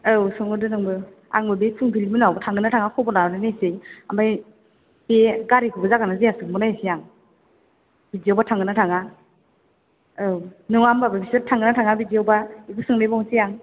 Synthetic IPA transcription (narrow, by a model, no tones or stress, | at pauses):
ɯwsɔŋɯdɯnɯŋbɯ | a̰ŋbɯbepʰɯŋpʰilimɯnawbatʰaŋɡɯnatʰaŋakʰɔbɔnaɾɔnɯnajsejamaj | eɡaɾikʰɯɡɯzaɡanazejasɯŋbɯnajsijaŋ | b̥id͡ʒiɔwbatʰaŋɡɯnatʰaŋa | ɯwnɯŋambababisɯtʰaŋɡɯnatʰaŋabidiawbaibɯsɯŋnejbɔŋsijaŋ